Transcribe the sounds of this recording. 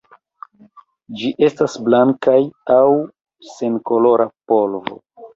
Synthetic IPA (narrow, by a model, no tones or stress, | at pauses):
d͡ʒiʔe̞stasblaŋkajaw | se̞nko̞lo̞ɾapo̞lvo̞̰